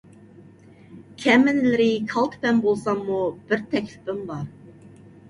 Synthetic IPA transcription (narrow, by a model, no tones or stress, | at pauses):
kʲʰɛmɪnlɪɾɪkʰɑlˠt̪ʰpɛnbolˠsɑŋmub̥ɪɾt̪ʰɛkʲlɪpɪmbɑɾ